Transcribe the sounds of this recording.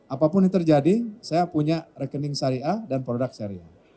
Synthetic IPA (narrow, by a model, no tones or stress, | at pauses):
ʔapapʊnit̪ərd͡ʒadisajapuɲarɛkənɪŋsaɾiadanpɾodak̚saɾia